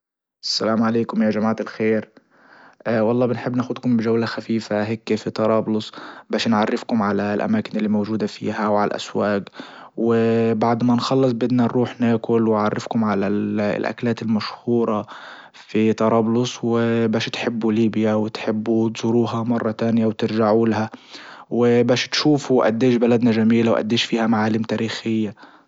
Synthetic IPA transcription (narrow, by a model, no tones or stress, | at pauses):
ʔasːalaːmʕaleːkʊmjaːʒamaːʕɪlxeːɾ | wɑlˤːɑːbɪnħɪbːnaːxʊd̪kʊmbɪʒawlaxafiːfaɦeːkːfit̪ɑɾˤɑːblʊsˤbaːʃnʕarˤːɪfkʊmʕalalʔa̰maːkɪnɪlːimawʒuːd̪afḭːɦawʕala̰lʔa̰swaːk | wɪbaʕd̪manxɑlːɨs̬ˤbɪd̪nanɾuːħnaːkʊlwɪʕarːɪfkʊmʕalalʔa̰klaːt̪ɪlmaʃhuːɾˤɑ | fit̪ɑɾˤɑːblʊswɪbaːʃt̪ħɪbːuliːbjawɪt̪ħɪbːut̪zʊɾuːɦamɑrˤːɑt̪aːnjawt̪ɪɾʒaʕulahawɪbaːʃt̪ʃuːfuwʔa̰d̪ːeːʃbalad̪naʒamiːlawʔa̰d̪ːeːʃfiːhamaʕaːlɪmt̪aːɾiːxɪjːa